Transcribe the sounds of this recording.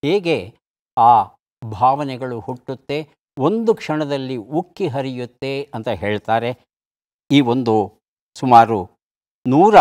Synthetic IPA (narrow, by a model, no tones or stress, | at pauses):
heːɡe̞ | aː | bʱaːʋɐnɛɡɐɭuhuʈːut̪ːe̞ | o̞nd̪ukʂɐɳɐd̪ɐlːiukːiɦɐɾijut̪ːe̞ɐnt̪ɐɦe̞ːɭt̪aːɾe̞ | iːo̞nd̪u | sumaːɾu | nuːɾɐ